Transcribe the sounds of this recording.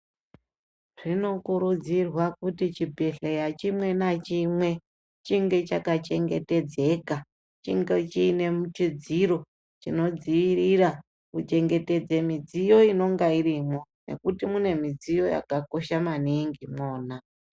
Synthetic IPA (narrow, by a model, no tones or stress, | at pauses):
ʐ̥ino̞kuɾud͡zirwakutit͡ʃibʱeɬejat͡ʃimwe̞nat͡ʃimwe̞ | t͡ʃiŋɡe̞t͡ʃakat͡ʃe̞ŋɡe̞te̞d͡ze̞ka | t͡ʃiŋɡet͡ʃine̞mut͡ʃid͡ziɾo̞ | t͡ʃino̞d͡ziirira | kut͡ʃe̞ŋɡe̞te̞d͡ze̞mid͡zijo̞ino̞ŋɡairimo̞ne̞̰kutimune̞mid͡zijo̞ja̰kako̞ʃamaniŋɡimoːna